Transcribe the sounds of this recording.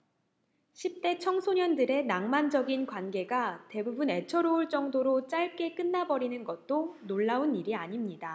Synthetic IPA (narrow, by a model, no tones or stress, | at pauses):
ɕʰip̚t͈e̞t͡ɕʰʌŋsʰoɲʌndɯɾe̞naŋmand͡ʑʌɡinkwanɡe̞ɡate̞bubune̞t͡ɕʰʌɾouɭt͡ɕ͈ʌŋdoɾot͡ɕ͈aɭk͈e̞k͈ɯnːabʌɾinɯnɡʌt̚t͈onoɭːauniɾiaɲimɲida